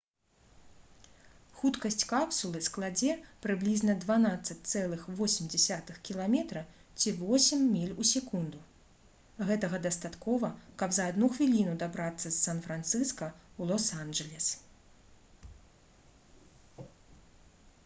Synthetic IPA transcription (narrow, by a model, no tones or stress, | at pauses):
xut̪kɐsʲt͡sʲkapsulˠɨsklˠad͡zʲɛpɾɨblʲiznɐd̪vanat̪sːɐt͡sʲt̪sɛlˠɨxvɔsʲmʲd͡zʲɛsʲat̪ɨxkʲilˠamʲɛt̪ɾɐ | t͡sʲivɔsʲɛmːʲilʲusʲɛkund̪u | ɣɛt̪ɐɣɐd̪ɐst̪at̪kɔvɐkɐbzɐːd̪nuxvʲilʲinud̪abɾat̪sːɐsːanfɾant̪sɨskɐulˠɔsanʐɛlʲɛs